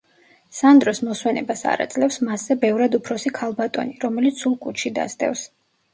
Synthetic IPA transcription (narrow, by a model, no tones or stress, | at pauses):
sand̪ɾɔsmɔswɛnɛbasa̰ɾa̰t̪sʼlɛfsmaszɛbɛvɾad̪upʰɾɔsikʰalˠbat̪ʼɔ̰niɾɔmɛlit̪sulˠkʼut͡ʃʰid̪a̰st̪ʼɛ̰fs